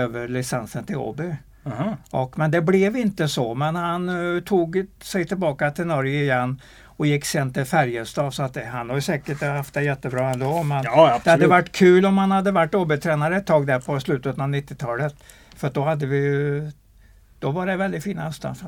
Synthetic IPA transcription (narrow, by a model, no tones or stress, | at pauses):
øːvəɾɭɪsɛnsənt̪ʰɪlo̰bɪ | ʔɔkːmɛnd̪ɛblɛvɪnt̪əsɔmɛnhant̪ʰuːɡsɛjt̪ʰɪlbɑːkat̪ʰɪlnɔɾjəɪjɛnː | ɔjɪkːseːnt̪ʰɪlfæɾjəst̪ɑːvsɔat̪̚d̪ɛhanhaɾjɵsɛːkəʈhaft̪̚d̪ɛjɛt̪ːəbɾɑːɛnd̪ɔmɛnbdɛhad̪əvaʈːkʰʉ̟ːlɔmhanhad̪ːəvaʈːoːbɪt̪ʰɾɛːnaɾəɛt̪ʰːɑːɡd̪æɾpʰɔslʉ̟ːt̪ət̪ənavnɪt̪ːɪt̪ʰɑːlət̪ | fœɾat̪d̪ɔhad̪ːəvɪjɵ | d̪̥ɔvaɖɛvɛld̪ɪt̪fiːna̰œst̪ə̰f